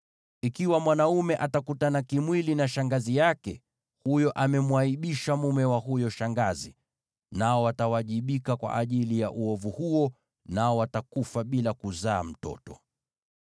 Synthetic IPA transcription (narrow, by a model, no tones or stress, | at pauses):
ikiwamwanaumɛʔatakutanakimwilinaʃaŋɡazijakɛ̰ | hujɔʔamɛmwaiɓiʃamumɛwaɦujɔʃaŋɡazi | naɔwatawaʄiɓikakwa̰ʔaʄilija̰ʔuɔvuhuɔ | naɔwatakufaɓilakuzaːm̩tɔ̰tɔ